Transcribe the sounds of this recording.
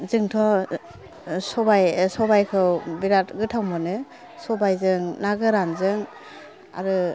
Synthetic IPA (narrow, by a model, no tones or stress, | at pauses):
zɯŋtʰɔ | sɔbajsɔbajkʰɯwbiɾatɡɯtʰawmɯnɯ | sɔbajzɯŋnaɡɯɾanzɯŋ | a̰ɾɯ